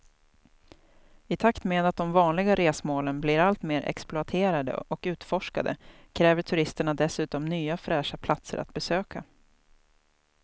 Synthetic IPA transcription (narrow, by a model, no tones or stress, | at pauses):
ɪt̪ʰakt̪meːd̪at̪̚d̪ɔmvɑːnlɪɡaɾeːsmoːlənblɪɾalt̪meːɾʔɛ̰ksplʊat̪ʰeːɾad̪ə̰ʔɔkʉ̟ːt̪fɔʂka̰d̪ə̰ | kʰɾɛːvəʈʰɵɾɪst̪əɳad̪ɛsʉ̟ːt̪ɔmnyːafɾæːʂapʰlat̪sə̰ɾʔa̰t̪̚bɛsøːkʰa